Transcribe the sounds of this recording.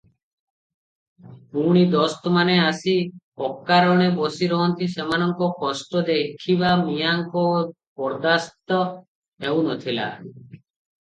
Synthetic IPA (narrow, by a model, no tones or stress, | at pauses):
puɽ̃id̪ɔst̪ɔmaneasi | ɔkːaɾɔɽ̃ebɔsiɾɔɦɔnt̪isemanɔŋkɔkɔsʈɔd̪ekʰiβamijaŋkɔ | bɔɾd̪ast̪ɔ | ew̃nɔt̪ʰila̰